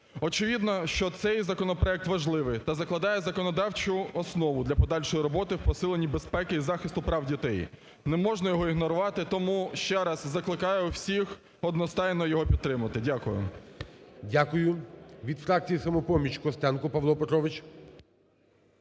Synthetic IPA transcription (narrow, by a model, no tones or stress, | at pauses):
ɔt͡ʃɪʋʲid̪nɔʃt͡ʃɔt̪sɛjzɐkɔnɔpɾɔɛk̚t̪ʋɐʒlˠɪʋɪjt̪ɐzɐklˠɐd̪ɑjɛzɐkɔnɔd̪ɑwt͡ʃʊɔsnɔʋʊd̪lʲɐpɔd̪ɑlʲʃɔjiɾɔbɔt̪ɪwpɔsɪlˠenʲːibespɛkɪizɑxɪst̪ʊpɾɑwdʲit̪ɛj | nɛmɔʒnɐjɔɦɔiɦnɔɾʊʋɑt̪ɪt̪ɔmuʃt͡ʃɛɾɐzːɐklˠɪkɑjɛuwsʲix | ɔd̪nɔst̪ɑjnɔjɔɦɔpʲidt̪ːɾɪmʊɐt̪ɪdʲakʊjʊ̰ | dʲakʊjʊʋʲid̪fɾɑk̚t͡sʲijisɐmɔpɔmʲit͡ʃkɔst̪ɛnkʊpɐʋlˠɔpet̪ɾɔʋɪt͡ʃ